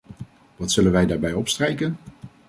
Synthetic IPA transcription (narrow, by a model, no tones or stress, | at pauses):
ʋɑtsɵlənʋɛjdaːɹbɛjɔpstrejkən